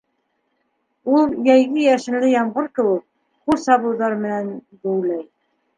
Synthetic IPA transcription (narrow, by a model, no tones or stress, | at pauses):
ulˠjæjɣɘjæʃɘ̆nlɘjɑmʁɤɾkɘ̆wɘk̚ | χuɾsɑβɤ̆ðɑɾmɘ̆nænd̪uwlæj